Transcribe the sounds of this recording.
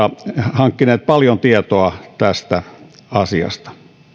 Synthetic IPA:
ɑhɑŋkːineːt̪̚pɑljont̪iet̪oɑt̪æst̪æɑsiɑ̰st̪ɑ̥

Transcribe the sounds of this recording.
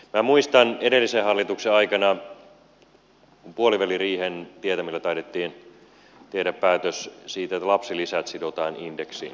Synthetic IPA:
mæmuist̪ɑnedelːisehɑlːit̪ukseɑikɑnɑ | puoliʋæliriːhent̪iet̪æmilːæt̪ɑidet̪ːiːn | t̪ehdæppæːt̪øssiːt̪et̪ːlɑpsilisæt̪sidot̪ɑːnindeksḭːn

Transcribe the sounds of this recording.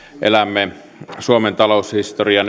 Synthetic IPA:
ʔḛlæmːe | suoment̪ɑloˑushist̪oriɑn

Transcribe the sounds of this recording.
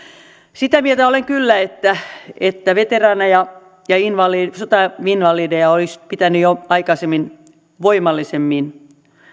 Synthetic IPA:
sit̪æmiet̪æoleŋkylːæet̪ːæet̪ːæʋet̪erɑːnɑjɑ | jɑinʋɑlisot̪ɑʋinʋɑliːdejɑolispit̪ænyjoɑikɑsemːin | ʋoimɑlːisemːin

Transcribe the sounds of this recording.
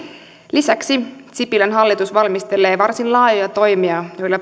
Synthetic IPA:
lisæksit̪sipilænɦɑlːit̪usʋɑlmist̪e̞le̞ːʋɑrsinlɑːjujɑt̪o̞jmiɑjo̞jlːɑ

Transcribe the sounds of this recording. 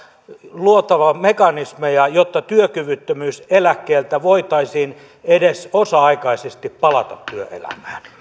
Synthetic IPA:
luot̪ɑʋɑmekɑnismejɑjot̪ːɑt̪yøkyʋyt̪ːømyːselækːeːlt̪æʋoit̪ɑisiːn | edesosɑɑikɑisest̪ippɑlɑt̪ɑt̪tyøʔḛlæ̰mæːn

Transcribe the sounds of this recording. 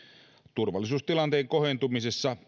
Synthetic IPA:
t̪urʋɑ̰lːˑis̬uːst̪ilɑnt̪eːŋko̞hent̪umisesːɑ

